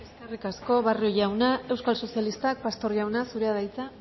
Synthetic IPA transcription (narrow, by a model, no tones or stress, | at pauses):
eskerikasko̞βarioʝawnae̞wskalso̞sialist̪ak̚past̪o̞ɾʝawnasuɾeaðajt͡sa